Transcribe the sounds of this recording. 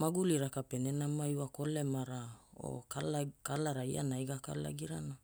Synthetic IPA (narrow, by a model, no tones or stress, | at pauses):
maɡuliɾakapenenamajwakolemaɾao̰kalkalaɾaia̰najɡaka̰la̰ɡiɾana